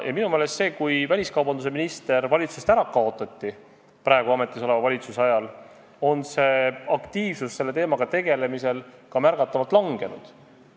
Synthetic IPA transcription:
jɑ̰minume̞ːle̞st̪se̞ːkujvælʲiskɑwbɑnd̪us̬e̞minist̪e̞ɾvɑlʲit̪sust̪æɾɑkɑo̞t̪ːˑɑt̪ːi | pɾɑeɡuɑme̞t̪ːˑiso̞le̞vɑvɑlʲit̪susɑjɑl | o̞nse̞ɑkt̪iːv̥susse̞lːe̞t̪e̞ːmɑɡ̥ɑt̪e̞ɡe̞le̞miselkɑmærɡ̥ɑt̪ːɑvɑlt̪lɑŋɡ̥e̞nṵd̪̥

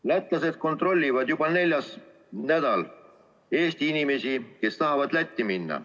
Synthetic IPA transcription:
læt̪ˑlɑse̞d̪̥̚ko̞nt̪ˑro̞lʲːivɑd̪̥jubɑne̞lʲjɑs | næd̪̥ɑl | e̞ːst̪iinime̞sike̞st̪ɑɦɑvɑd̪̥læt̪ʲːiminːɑ̰

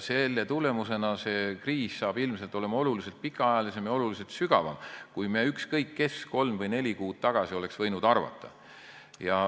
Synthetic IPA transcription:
se̞lːet̪ule̞muse̞nɑse̞kriːssɑːb̥ilmselt̪o̞le̞mɑo̞lulise̞lt̪̚pikːˑɑɑjɑlise̞mjɑo̞lulise̞lt̪syɡ̥ɑvɑ̰mkujmeykskɤjkːe̞sko̞lmvɤjnelʲikuːd̪̥t̪ɑɡ̥ɑsio̞le̞ksv̥ɤjnud̪ɑrvɑ̰t̪ːˑɑ̰ | jɑ

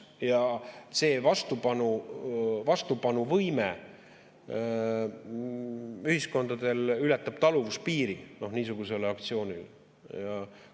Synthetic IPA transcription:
jɑse̞ːvɑst̪upɑnu | vɑst̪upɑnuvɤjme | yhisko̞nd̪̥ɑd̪̥e̞lylɛt̪ːˑɑb̥̚t̪ɑluvuspiːɾino̞hniːs̬uɡ̥use̞lɑkt̪sio̞ːnil | jɑ

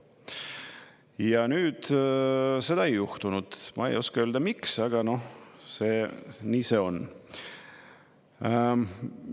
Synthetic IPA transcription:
jɑnyːd̪̥ | se̞d̪̥ɑe̞juht̪unud̪̥mɑ̰ḛjo̞skɑøːld̪̥ɑmiksɑɡ̥ɑno̞hse̞ːniːse̞o̞n

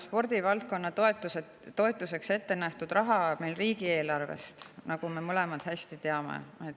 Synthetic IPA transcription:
spo̞rd̪̥ivɑlt̪̚ko̞nːɑt̪oet̪ːˑuseː | o̞e̞t̪ːˑuse̞kse̞t̪ːe̞næht̪ud̪̥rɑɦɑme̞jlriːɡie̞ːlɑrve̞̰st̪nɑɡ̥ume̞mɤle̞mɑd̪̥hæsʲt̪it̪e̞ɑmḛet̪

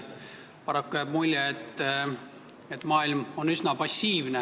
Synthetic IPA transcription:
pɑɾɑkːujæb̥̚mulʲjeet̪ː | et̪ːˑmɑːilmo̞nysnɑpɑsʲːiːvne

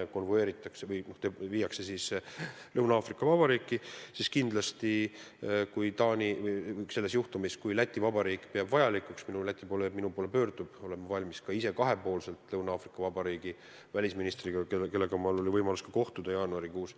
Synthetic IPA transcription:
ko̞nvoe̞ːɾit̪ˑːɑksevɤjno̞ht̪eviːjɑkse̞sislɤwnɑːfrikːˑɑvɑb̥ɑɾiːkˑːisiskind̪̥lɑst̪i | kujt̪ɑːnʲivɤjjse̞lːe̞sjuht̪umiskujlæt̪ʲːˑivɑbɑɾiːkːˑpeɑbvɑjɑlikuksminulæt̪ʲːˑipo̞ːleminupo̞ːle̞pø̞ːrd̪̥ub̥o̞le̞mːɑvɑlʲmiskɑise̞kɑɦe̞po̞ːlse̞lt̪ˑlɤwnɑɑːfrikːˑɑvɑbɑɾiːɡ̥i | vælʲisminist̪riɡ̥ɑkeke̞lːe̞ɡ̥ɑmɑlo̞lʲivɤjmɑluskɑko̞ht̪ud̪̥ɑjɑːnuɑɾikuːs

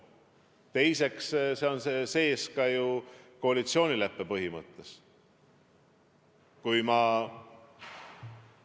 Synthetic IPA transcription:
t̪e̞jse̞ksse̞o̞nsse̞ːskɑjuko̞ɑlit̪sio̞ːnʲilepːepɤɦimɤt̪ˑːe̞s | kujmɑ

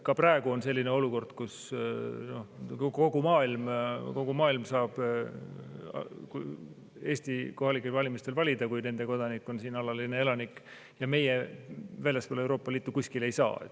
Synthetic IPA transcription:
kɑpræeɡ̥uo̞nse̞lːineo̞luko̞rd̪̥kus | no̞ko̞ɡ̥umɑːilmko̞ɡumɑːilmsɑːb̥ | ku | e̞ːsʲt̪iko̞hɑlikːˑe̞lvɑlʲimist̪e̞lvɑlʲid̪ɑkujne̞nd̪̥e̞ko̞d̪̥ɑnikˑːo̞nsiːnɑlɑline̞elɑnikːˑ | jɑme̞jevæjlʲjɑspolewɾo̞ːpːˑɑliːt̪ːˑukusʲkile̞jsɑ̰ːḛ

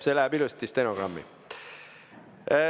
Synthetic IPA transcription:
selææbilust̪ist̪enoɡ̥rɑmːḭ

